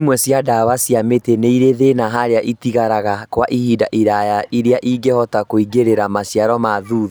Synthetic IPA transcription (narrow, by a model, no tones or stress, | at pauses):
mwɛsjadawasjameteneiɾeðenaɦaɾeaʔitiɣaɾaɣakwaʔihidaʔiɾajaʔiɾeaʔiɡehɔtakoiɡeɾeɾamasjaɾɔmaðuð